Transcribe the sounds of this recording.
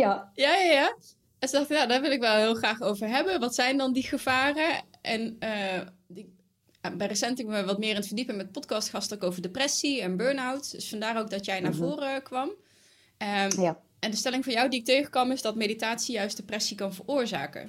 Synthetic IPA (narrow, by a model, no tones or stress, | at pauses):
ajajajaː | ɛnsədɑxtəjaːdaːɹʋɪlˠɪkʋɛlˠɦɪːlˠχraːχowvəɹɦɛbənʋɑtsɛjndɑndiχəv̥aːrəʔɛn | bɛrəsɛntɪkʋɑtmɪːrɪnətfəɹdipəmɛt̚pɔtkɑstχɑstkowvəɹdeprɛsiɛnbøːɹnawtdɵsfɑndaːrowɡ̚dɑtjɛjnaːɹvʊːrəkʋɑm | ɛndəstɛlɪŋvɑnjɔwdiɪk̚teɥχə̥kɑmɪzdɑtmejditaːtsijœɥst̚d̥əprɛsikɑnvəɹʊːɹza̰ːkə̰